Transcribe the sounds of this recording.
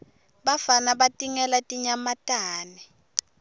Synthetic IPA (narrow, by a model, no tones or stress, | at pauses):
ɓafanaɓatʼiŋɛlatʼiɲamatʼaːnɛ